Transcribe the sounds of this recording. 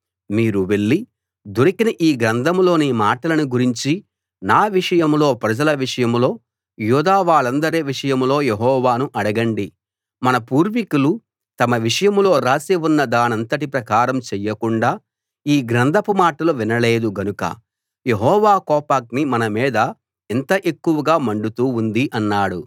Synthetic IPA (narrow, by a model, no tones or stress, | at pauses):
miːɾuʋe̞ɭːi | d̪oɾikinɐʔiːɡɾɐnd̪ʱɐmlo̞ːnimaːʈɐlɐnuɡuɾiɲt͡ʃi | naːʋiʂɐjɐmlo̞ːpɾɐd͡ʒɐlɐʋiʂɐjɐmlo̞ː | juːd̪aːʋaːɭɐnd̪ɐɾeːʋiʂɐjɐmlo̞ːjeɦɔːʋaːnuʔɐɽɐɡɐɳɖi | mɐnɐpuːɾʋikulu | t̪ɐmɐʋiʂɐjɐmlo̞ːɾaːseʋunːɐd̪aːnɐnt̪ɐʈipɾɐkaːɾɐmt͡ʃɛjːɐkuɳɖaː | iːɡɾɐnd̪ɐpumaːʈɐluʋinɐle̞ːd̪uɡɐnukɐ̰ | je̞ɦɔːʋaːkɔːpaːk̚nimɐnɐmiːd̪ɐ | ent̪ɐʔe̞kːuʋɐɡaːmɐɳɖut̪uːund̪iʔɐnːaːɽu